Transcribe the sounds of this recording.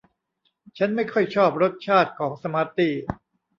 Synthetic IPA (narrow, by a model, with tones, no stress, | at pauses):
t͡ɕʰa˦˥nma˥˩jkʰɔ˥˩jt͡ɕʰɔː˥˩p̚ɾo˦˥t̪̚t͡ɕʰaː˥˩t̪̚kʰɔː˩˦ŋsa˧ma˧˥t̪iː˥˩